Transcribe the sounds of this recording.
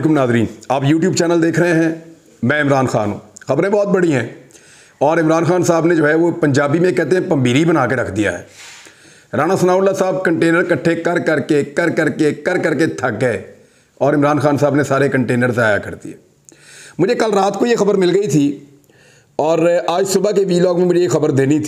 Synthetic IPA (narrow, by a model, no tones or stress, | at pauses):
kʊmnaːzɾiːnaːpjuːʈ̬juːbt͡ʃɛːnəld̪eːkʰɾəɦẽɦɛ̃ː | mɛ̃ːɪmɾaːnxa̰ːnɦṵ̃ːxɐbɾẽbɔːt̪̚bɐɽiɦɛ̃ː | ɔːɾɪmɾaːnxaːnsaːbned͡ʒoːɦɛʋopɐ̃ɲd͡ʒaːbimẽkɛːt̪eɦɛ̃pɐ̃mbʱiːɾibənaːkeɾɐkʰd̪ija̰ɦɛ̰ː | ɾaːñasənaːʊlːasaːb̚kə̃ɳʈeːnəɾkɐʈʰːekɐɾkɐɾkekɐɾkəɾkekɐɾkəɾket̪ʰɐkɦɛ | ɔːɾɪmɾaːnxaːnsaːbnesaːɾekə̃ɳʈeːnəɾsaːja̰kɐɾt̪ḭɦɛː | mʊd͡ʒʱekɐlɾaːt̪kojexɐbəɾmɪlɡəit̪ʰi | ɔːɾaːd͡ʒsʊbakeʋiːlɔːɡmẽmʊd͡ʒʱejexɐbəɾd̪eːnit̪ʰi